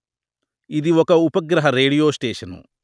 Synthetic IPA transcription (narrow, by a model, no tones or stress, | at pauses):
iðiokːɐupɐɡɾɐɦɐɾeːɽijoːsʈeːʂɐnṵ